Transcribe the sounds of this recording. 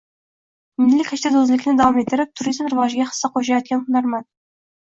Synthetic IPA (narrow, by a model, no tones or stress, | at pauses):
mɪnlɪkʲʰæʃt̪ʰæd̪ozlɪkʲnɪd̪awɑmet̪ːɪɾɪp̚t̪ʰuɾizmɾɨvɑʒɪɡʲɛχə̥sːɑqʰoʃ̬ɑjɑt̪̚kʲʰɛnnɑɾmɑ